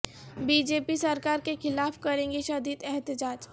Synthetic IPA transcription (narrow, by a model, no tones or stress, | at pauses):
biːd͡ʒeːpisɐɾkaːɾkexɪlaːfkɐɾẽːŋɡeʃɐd̪iːd̪ɛɦt̪ɪd͡ʒaːd͡ʒ